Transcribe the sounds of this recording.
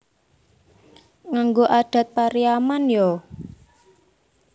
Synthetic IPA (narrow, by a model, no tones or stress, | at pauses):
ŋaŋɡoʔaɖ̪̥ä̤t̪̚paɾiamanjɔ